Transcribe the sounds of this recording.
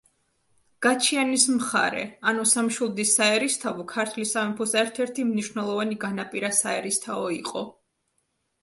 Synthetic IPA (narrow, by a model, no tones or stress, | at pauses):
ɡ̥at͡ʃʰianismχa̰ɾɛ̰anusamʃulˠd̪isaɛɾist̪ʰavɔkʰaɾt̪ʰlisamɛpʰusɛɾt̪ʰɛɾt̪ʰimniʃwnɛlˠɔvaniɡanapʼiɾasaɛɾist̪ʰaɔiqʼɔ